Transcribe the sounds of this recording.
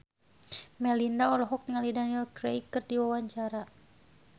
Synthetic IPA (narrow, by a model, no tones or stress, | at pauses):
mɛlindaɔlɔɦɔkŋalidanilkɾejkɨrdiwawaɲt͡ʃaɾa